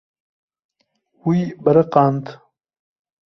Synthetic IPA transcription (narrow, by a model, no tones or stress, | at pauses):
wujbɐɾɐqaːnt̪